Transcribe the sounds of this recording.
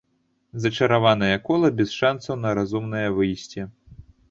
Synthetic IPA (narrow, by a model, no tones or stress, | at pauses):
zɐt͡ʂɐɾavan̪ɐjɐkɔlˠɐbʲɛsʂansɐwnɐɾazumnɐjɐvɨjsʲt͡sʲɛ